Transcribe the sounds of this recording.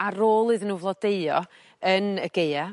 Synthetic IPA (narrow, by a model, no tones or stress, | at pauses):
aɾoːlˠɨðənuːvlˠɔdeɨɔ̰ | ənəɡeja